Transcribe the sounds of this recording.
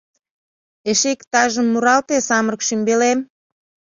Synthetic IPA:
eʃekt̪ɑʒəmːuɾɑlt̪esɑmərkʃymbelem

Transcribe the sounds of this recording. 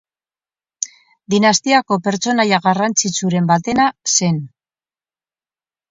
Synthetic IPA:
d̪inast̪iako̞pe̞ɾt͡so̞najaɣarant͡sit͡suɾe̞mbat̪e̞nase̞n

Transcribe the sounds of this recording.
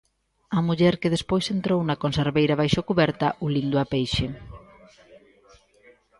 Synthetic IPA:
ɐmuʎɛɾkeðespojsent̪ɾownɐkonseɾβejɾɐβajʃokuβɛɾt̪ɐʔulind̪ʊapejʃɪ

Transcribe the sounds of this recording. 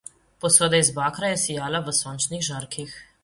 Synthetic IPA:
pɔsoːd̪ɛizbaːkɾajɛsijaːlaʋəsɔːnt͡ʃnixʒaɾkix

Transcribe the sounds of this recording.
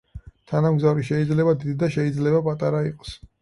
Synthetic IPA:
t̪ʰanamɡzavɾiʃɛid̪zlɛbad̪id̪d̪aʃɛid̪zlɛbapʼat̪ʼaɾaiqʼɔ̥s

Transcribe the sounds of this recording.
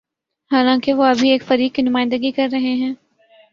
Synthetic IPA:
haːlãːkeʋoɐbʱieːkfɐɾiːkːinʊmaːɪ̃nd̪əɡikɐɾːɐɦeɦɛ̃ː

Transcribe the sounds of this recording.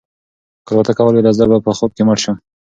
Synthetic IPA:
kəɾwat̪akawəlwedazaɾbapəxob̪̚keməʈʃə

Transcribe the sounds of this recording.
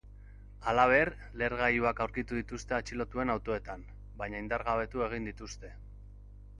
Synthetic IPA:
alaβ̞e̞ɾ | le̞ɾɣajuakawɾkit̪uðit̪ust̪e̞at͡ʃilo̞t̪ue̞nawt̪o̞e̞t̪am | bajɲaind̪aɾɣaβe̞t̪ue̞ɣ̞ind̪it̪ust̪e̞

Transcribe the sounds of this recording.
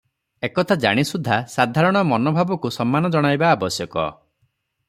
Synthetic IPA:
ekɔt̪ʰad͡ʒa̰ɽ̃isud̪ʱːasad̪ʱaɾɔɽ̃ɔmɔnɔbʱabɔkusɔmːanɔd͡ʒɔɽ̃ajbaːbɔsjɔkɔ̰

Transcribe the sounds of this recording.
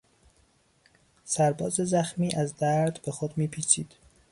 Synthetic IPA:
sæɾbɒːze̞zæxmiːʔæzd̪æɾd̪be̞xod̪miːpʰiːt͡ʃʰiːd̪̥

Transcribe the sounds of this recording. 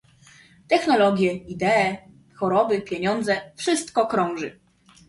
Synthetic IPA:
t̪ɛxnɔlɔɡʲjɛid̪ɛː | xɔɾɔbɘpʲjeɲɔnd̪zɛfʂɘst̪kɔkɾɔ̃w̃ʐɘ̰

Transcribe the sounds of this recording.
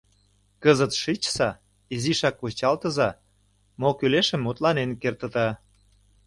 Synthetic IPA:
kəzət̪ʃit͡ɕsɑ | iziʃɑkːut͡ɕɑlt̪ə̆zɑ | mokyleʃə̆mːut̪lɑnenkert̪ə̆t̪ɑ

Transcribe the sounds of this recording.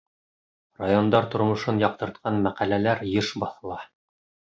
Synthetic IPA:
rajond̪ɑɾt̪ŏɾmŏʃɤnjɑq̚t̪ɤ̆ɾt̪̚qɑnmæqælælæɾjɤʃbɑθɤ̆lˠɑ

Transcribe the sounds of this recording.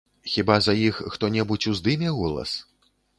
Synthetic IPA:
xʲibazɐjixxt̪ɔnʲɛbut͡sʲuzd̪ɨmʲɛɣɔlˠɐ̰s

